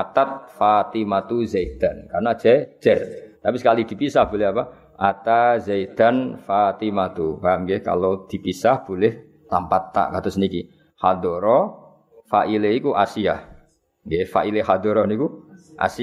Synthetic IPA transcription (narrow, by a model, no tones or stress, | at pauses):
at̪at̪̚fat̪imat̪uzaid̪̥ankarnḁd͡ʒ̥ɛd͡ʒ̥ɛrt̪apisəkalid̪̥i̤pisahb̥olɪɦapa | ʔat̪azaid̪̥anfat̪imat̪ubamɡeka̰lod̪̥i̤pisahb̥olɛh | la̰mpat̪ːa̰ʔkat̪ʊsniki | had̪ɔɾɔ | faʔileikuʔasia | ɡefa̰ʔilehad̪ɔɾɔnikuʔa̰si